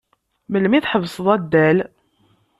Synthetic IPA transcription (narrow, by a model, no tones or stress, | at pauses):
məlːmiθħəvsˤðˤæd̪ːæl